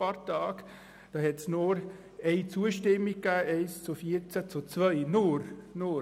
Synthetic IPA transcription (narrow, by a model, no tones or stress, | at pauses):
ɑɾtɑːɡ | d̥ɑːhɛtsnʊɾ | eɪt͡suːəʃtɪmːɪɡ̚ɡ̥æːʔeɪst͡sufiːɾt͡sæt͡sut͡svœʏnʊɾnʊ